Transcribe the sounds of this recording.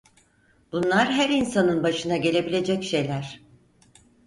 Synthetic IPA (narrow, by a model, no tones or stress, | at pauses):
b̥unlˠaɾɦæɾinsanɯnbaʃɯnaɟe̞lʲe̞bilʲe̞d͡ʒɛcʃe̞jlʲæɾ̥